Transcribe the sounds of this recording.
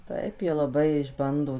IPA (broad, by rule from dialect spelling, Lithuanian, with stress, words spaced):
ˈtɐɪp ˈjiɛ lˠɐˈbɐɪ ɪʒˈbɐndoː